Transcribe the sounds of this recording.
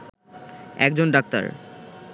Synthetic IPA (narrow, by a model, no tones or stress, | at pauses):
ɛk̚d͡ʑonɖak̚t̪a̰ɾ